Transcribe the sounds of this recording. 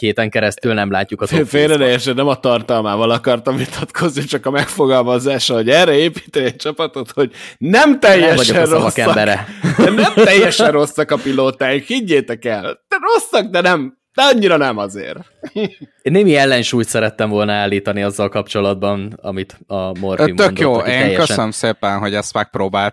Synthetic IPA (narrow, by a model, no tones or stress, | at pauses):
heːt̪ɛŋkɛɾɛstt̪ylnɛmlaːcːukɒfeːɾɛt̪ɛjːɛʃɛnːɛmɒt̪ɒrt̪ɒlmaːvɒlɒkɒrt̪ɒmvit̪ʰɒt̪kʰo̞znit͡ʃɒkɒmɛkfo̞ɡɒlmɒzaːʃɒɦo̞ɟɛrɛeːpi̥ːt̪ɛɛc̚t͡ʃɒpɒt̪o̞t̪ho̞ɟnɛmt̪ɛjːɛvɒɟoɛrrvɒskɛbɛɾɛɛnɛmt̪ɛjːɛʃɛrro̞sːɒkɒpiloːt̪aːjikhiɟːeːt̪ɛkɛld̪ɛro̞sːɒk̚d̪ɛnɛm | d̪̥ɛɒɲːiɾɒnɛmɒzḛːr | enːeːmiɛlːɛnʃuːjt̪sɛɾɛt̪ːɛɱvo̞lnɒaːlːiːt̪ɒniɒzːɒlkɒpt͡ʃo̞lɒd̪̚bɒnɒ̰mit̪ɒmorimt̪ønd̪joːeːŋjːɛkøʃsənəmseːpɛnɦo̞ɟɛst̪mɛk̚pɾoːbaːlt̪